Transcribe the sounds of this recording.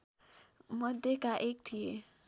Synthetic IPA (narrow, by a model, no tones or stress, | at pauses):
mɔd̪ekaʔek̚t̪ʰie